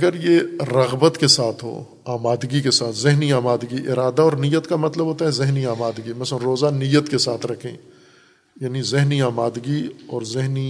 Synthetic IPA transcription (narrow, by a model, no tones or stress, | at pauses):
ɐɡəɾjeɾɐɣbət̪kesaːt̪ʰɦo̰ː | aːmaːd̪ɡikesaːt̪ʰzɪɦniaːmaːd̪ɡiʔɪɾaːd̪aɔːɾnijːət̪kamɐt̪ləbʱɦoːt̪aɦɛzɪɦniaːmaːd̪ɡimɛ̃səɾoːzanijːət̪kesaːt̪ʰɾɐkʰḛ̃ | jaːnizɪɦniaːmaːd̪ɡiɔːɾzɪɦni